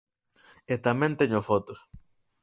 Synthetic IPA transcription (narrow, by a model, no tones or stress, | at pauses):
et̪amẽnt̪eɲʊfot̪os